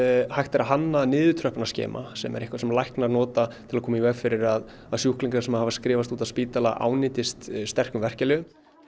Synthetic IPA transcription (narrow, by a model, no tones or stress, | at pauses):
hajht̪ɛɾaɦanːanɪːðʏt̪ʰɾœhpanascɛ̰ːmʔa̰sɛ̰mɛ̰ɾehkvasɛmlajhknaɾnɔːt̪at̪ʰɪlaðkʰɔːmaivɛːɣfɪɾɪɾað | aðsjuhkliŋkaɾsɛmahavaskɾɪːvast̪uːt̪aðspiːt̪alaʔa̰ːwnɪːt̪ɪst̪st̪ɛr̥kʏmvɛr̥calɪ